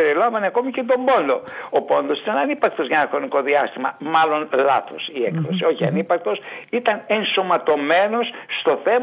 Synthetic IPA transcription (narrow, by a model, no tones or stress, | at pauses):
eɾeloɱvɐneɐko̞micet̪o̞mbo̞nd̪o̞opo̞nd̪o̞sit̪ɐnɐnipɐk̚t̪o̞zʝɐnɐxɾo̞niko̞ðiɐst̪imɐmɐlo̞nlɐ̰θosiḛkðosio̞çiɐ̰nipɐk̚t̪o̞sit̪ɐne̞nso̞mɐt̪o̞me̞no̞sːt̪o̞θe̞m